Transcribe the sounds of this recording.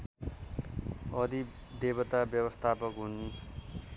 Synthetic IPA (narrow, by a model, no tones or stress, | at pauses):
ʌd̪ʱid̪ebʌt̪abjʌbʌst̪ʰapʌkɦun